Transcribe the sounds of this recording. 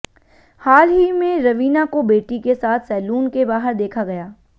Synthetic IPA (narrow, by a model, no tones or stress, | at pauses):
haːlɦimẽɾɐʋiːnakobeːʈikesaːt̪ʰsɛːluːnkebaːɦəɾd̪eːkʰaɡɐjaː